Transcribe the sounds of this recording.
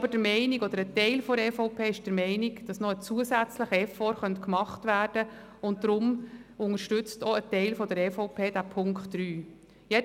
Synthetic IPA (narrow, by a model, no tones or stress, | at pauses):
b̥əd̥əɾmɛɪniɡɔd̪əɾətɛɪlfɔdɾeːfoʊpʰeːɪʃd̥əɾmɛɪniɡd̥ɑsnɔət͡suəsæt͡sləχɛfɔɾχœntkmɑχtʋæːrd̥ə | ʊnt̚d̥ɾʊmʊŋəɾʃtʏt͡stɔətɛɪlfɔdəɾɛfoʊpʰeːd̥æpʰʊŋkχtːɾyː | jɛ